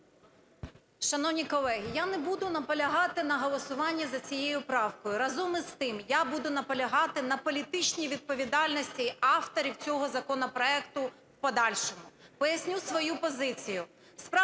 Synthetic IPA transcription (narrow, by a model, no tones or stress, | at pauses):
ʃɐnɔwnʲikɔlˠɛɦʲijanɛbud̪ʊnɐpɔlʲɐɦɑt̪ɪnɐɦɔlˠɔsʊʋɑnʲːɐzɐt͡sʲijejʊpɾɑwkɔjʊɾɐzɔmɪst̪ɪmjabud̪ʊnɐpɔlʲɐɦɑt̪ɪnɐpɔlʲit̪ɪt͡ʃnʲiʋʲid̪̚pɔʋʲid̪ɑlʲnɔsʲtʲiɑft̪ɔɾʲiwt͡sʲɔɦɔzɐkɔnɔpɾɔɛkt̪ʊ | wpɔd̪ɑlʲʃɔmʊpɔjɐsʲnʲusʋɔjupɔzɪt͡sʲijʊ | spɾɑ